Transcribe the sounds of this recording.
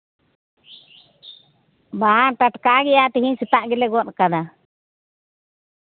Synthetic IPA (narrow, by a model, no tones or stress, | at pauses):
baanʈaʈkaɡɛjat̪ɛɦiɲsit̪aʔɡɛlɛɡɔt̪kad̪a